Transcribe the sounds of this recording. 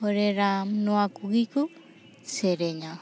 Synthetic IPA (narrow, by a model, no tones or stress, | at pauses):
oɾeɾamnoakuɡiku | seɾeɲa